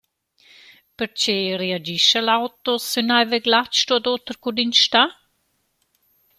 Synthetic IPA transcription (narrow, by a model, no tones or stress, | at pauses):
pəɾt͡ʃeread͡ʒiʃɛlawt̪osynajveɡlat͡ʃt̪uad̪oːt̪ɾkud̪inʃt̪a